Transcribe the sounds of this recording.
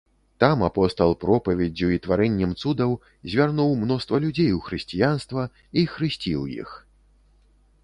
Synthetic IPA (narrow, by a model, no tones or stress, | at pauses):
t̪amapɔst̪ɐlˠpɾɔpɐvʲɛd͡zʲuit̪vaɾɛnʲːɛmt̪sud̪ɐw | zʲvʲarnuwmnɔst̪vɐlʲud͡zʲejwxɾɨsʲt͡sʲijanst̪vɐ | ixɾɨsʲt͡sʲiwjḭx